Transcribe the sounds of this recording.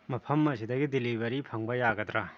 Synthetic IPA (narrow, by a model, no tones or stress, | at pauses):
mɐpʰɐmːɐsidɐɡidilibɐɾipʰɐŋbɐjaɡɐdɾa